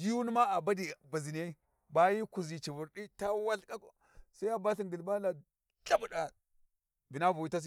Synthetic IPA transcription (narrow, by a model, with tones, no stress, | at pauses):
di˦ju˦n˦ma˦a˨ba˦di˨ba˨zi˨n˨a˦ | ba˦ji˦ku˨zi˨t͡ʃi˨vu˨ɾdi˦ta˦wa˦ɬka˦ko˨ | sa˦i˦a˦ba˦ɬi˨ŋɡi˨lba˦la˨ | ɬa˦bu˨ɗa˨ | vi˨na˦vu˨wi˦ta˦s̬i˦